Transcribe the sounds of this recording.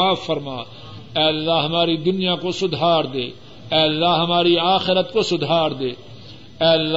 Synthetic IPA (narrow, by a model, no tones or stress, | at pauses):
aːfːəɾmaː | ɛːlːaɦɐmaːɾid̪ʊnijakosʊd̪ʱaːɾd̪eː | ɛːəlːaɦɐmaːɾiaːxɪɾət̪kosʊd̪ʱaːɾd̪eː | ɛːlː